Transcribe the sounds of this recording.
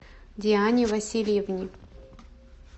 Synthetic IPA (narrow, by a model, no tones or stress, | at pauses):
d̪ʲianʲivɐsʲilʲjevnʲi